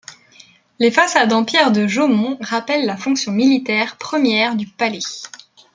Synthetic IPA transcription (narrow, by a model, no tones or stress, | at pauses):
lefasad̪ɑ̃pjɛʁd̪əʒomɔ̃ʁapɛlːafɔ̃ksjɔ̃milit̪ɛʁpχəmjɛʁd̪ypale